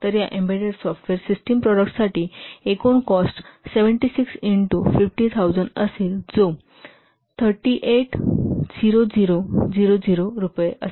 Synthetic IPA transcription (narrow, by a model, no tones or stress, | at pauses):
t̪əɾjaʔẽmbeɖəɾsɔfʈʋeɾsisʈimpɾɔɽək̚ʈsaʈiːekoɳkɔsʈseʋəɳʈisiksiɳʈufifʈit̪ʰaud͡zəɳɖəseld͡zo | t̪ʰəɾʈiʔeʈd͡ziɾod͡ziɾod͡ʑiɾod͡ziɾoɾupjeʔəs